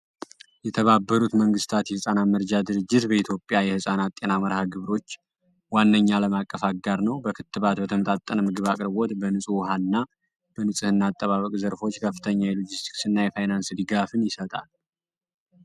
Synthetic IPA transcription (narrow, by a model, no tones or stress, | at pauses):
jɛt̪ʰəβabːəɾut̪məŋɡɨst̪ʰat̪jɛhɨsʼanaməɾd͡ʒad̪ɨɾɨd͡ʒːɪt̪bəit̪ʰjo̞pʼjajɛhɨsʼanat̪ʼːe̞naməɾhaɡɨβɾo̞t͡ʃː | wanːəɲːaləmakʼːəfaɡaɾnəwbəkʰɨt̪ːɨβat̪bət̪ʰəmət̪ʼat̪ʼːənəmɨɡɨβakʼɾβo̞t̪bənɨsʼwɦaɨnːa | b̥ənɨsʼɨhɨnːaːt̪ʼːəβaβəkʼzəɾfo̞t͡ʃːkʰəfːɨt̪ʰəɲːajɛlod͡ʒist̪ʰi̥ksɨnːajɛfajnansd̪ɨɡafɨnjɪsət̪ʼal